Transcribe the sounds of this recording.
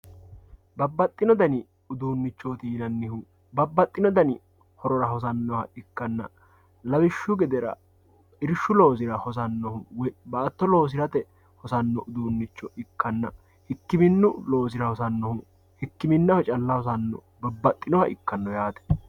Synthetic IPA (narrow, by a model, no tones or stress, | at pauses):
bɐbːɐt̪ʼːɪnɔd̪ɐnɪ | ʊd̪uːnːɪt͡ʃːoːt̪iːnɐnːɪhʊ | bɐbːɐt̪ʼːɪnɔd̪ɐnɪ | hɔɾɔɾɐɦɔs̬ɐnːɔhɐ̰ɪkːɐnːɐ̰ | lɐbɪʃːʊɡɛd̪ɛɾɐ̰ | ɪɾʃːʊlo̞ːs̬ɪɾɐhɔs̬ɐnːɔhʊwɔbɐʔɐt̪ːɔlo̞ːs̬ɪɾɐt̪ɛ | hɔsɐnːɔʔʊd̪uːnːɪt͡ʃːɔɪkːɐnːɐ̰ | hɪkːɪmɪnːʊlo̞ːs̬ɪɾɐhɔsɐnːɔhʊ | hɪkːɪmɪnːɐhɔt͡ʃʼɐlːɐhɔs̬ɐnːɔ̰ | bɐbːɐt̪ʼːɪnɔhɐʔɪ̰kːɐnːɔjaːt̪ɛ̥